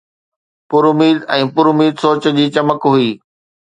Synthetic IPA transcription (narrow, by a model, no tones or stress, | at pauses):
pʊɾʊmiːd̪ɛ̃ːpʊɾʊmiːd̪soːt͡ɕə̆d͡ʑiːt͡ɕɐməkɦʊiː